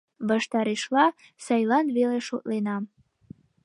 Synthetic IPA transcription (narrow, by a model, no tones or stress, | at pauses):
βɑʃt̪ɑɾeʃlɑ | sɑjlɑnβeleʃot̪lenɑm